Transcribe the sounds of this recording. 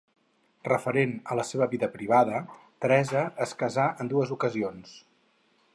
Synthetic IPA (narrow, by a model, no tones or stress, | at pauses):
rəfəɾenələseβəβiðəpɾiβ̞aðət̪ɾɛzəəskəzaʔənd̪uəzukəzions